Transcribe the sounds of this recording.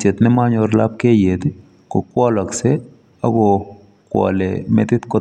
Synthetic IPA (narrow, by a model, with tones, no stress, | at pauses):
t͡ʃe˨t̪nɪ˦ma˦ɲɔ˨ɾla˦p̚ke˦je˨d̪ | kɔ˨kwɔ˦lɔ˨ksɛ˦ | a˦ɡɔ˨ | kwɔ̰˨lɛ̰˨mɛ̰˦t̪ɪ˦t̪kɔ˦